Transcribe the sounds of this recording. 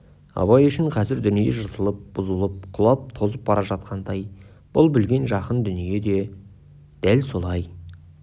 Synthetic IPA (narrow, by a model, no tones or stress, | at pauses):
ɑ̰βɑjʏʃɪɴqʰɑzɪɾd̪ʏnijeʒəɾt̪ʰəlˠəp̚b̥ʊzəlˠəp̚qʰʊlˠɑp̚t̪ʰo̞zəp̚bɑɾʔɑʒɑt̪̚qɑnd̪ɑj | b̥ʊlˠbɪlɡʲe̞nʒɑqənd̪ʏnije̞d̪e̞ | d̪̥ælso̞lˠɑj